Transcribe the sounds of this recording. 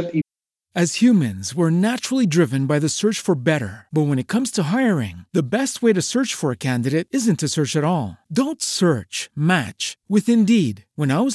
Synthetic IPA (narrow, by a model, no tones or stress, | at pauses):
ɨz̥hjʉmɨ̃nzwə˞næt͡ʃɹl̩ˠidɹɪvɨ̃nbaɪðɨsɜ˞t͡ʃfə˞bɛɾə̰˞b̥ʌt̚wə̃ñɨt̚kʰʌ̃mz̥tʰəɦaɪ˞ɪ̰̃ŋðɨbɛst̚weɪɾɨsɜ˞t͡ʃfə˞ɨkʰæ̃ndɨɾeɪɾɪzɨ̃ntʰɨsɜ˞t͡ʃɨɾɔlˠdõʊ̃ntsɜ˞t͡ʃmæ̰t͡ʃwɨθɨ̃ndid̚wə̃naɪwʌ